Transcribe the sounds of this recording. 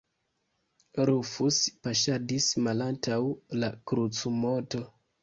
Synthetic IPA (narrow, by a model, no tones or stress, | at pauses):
ɾufuspaʃadismalantʰawlakɾut͡sumoto̞